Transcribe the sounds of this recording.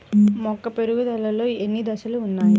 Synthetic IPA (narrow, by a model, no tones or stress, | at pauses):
mɔkːɐpeɾuɡud̪ɐlɐlo̞ːenːid̪ɐsɐluːnːaːji